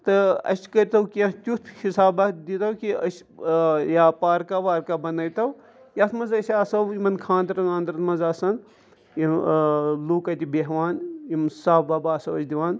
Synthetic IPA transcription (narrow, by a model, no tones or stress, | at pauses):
t̪ɨɐ̰sʲkɐɾʲt̪ɐwkiɐ̃t̪ʲut̪ʰhisaːbɐd̪it̪ɐwkiɐsʲ | jaːpaːɾkaʋaːɾkabɐnɐjt̪ɐw | jɐt̪ʰmɐnzɐsʲaːsɐwimɐnkʰãːnd̪ɾɐnaːnd̪ɾɐt̪mɐzaːsɐn | i | luːkɐt̪ʲibeɦʋaːnimsaːbaːbaːsɐwɐt͡ʃʰd̪iʋaːn